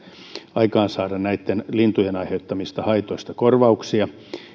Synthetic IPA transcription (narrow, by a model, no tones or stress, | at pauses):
ɑikɑːnsɑːdɑnnæit̪ːenlint̪ujenɑiheut̪ːɑmist̪ɑhɑit̪oist̪ɑkorʋɑuksiɑ